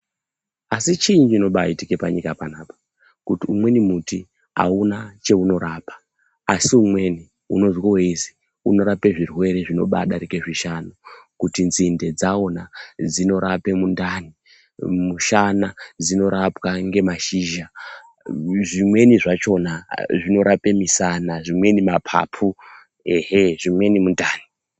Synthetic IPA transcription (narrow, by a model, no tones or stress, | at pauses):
asit͡ʃiːɲd͡ʒino̞ɓaːitike̞paɲikapanaːpḁ | kutiumwe̞nimuti | a̰unat͡ʃe̞uno̞ɾaːpḁː | siumwe̞ni | ṵno̞zwoweizi̥ | ṵno̞ɾape̞ʐirwe̞ɾe̞ʐino̞̰ɓa̰ɗaɾike̞ʐiʃanukutinzinde̞d͡zao̞nad͡zino̞ɾape̞mundani | muʃanad͡zino̞ɾapwaŋɡe̞maʃiʒa | ʐimwe̞niʐat͡ʃo̞naʐino̞ɾape̞misanaʐimwe̞nimapʰa̰ːpʰu | eɦeʐimwe̞nimundaːni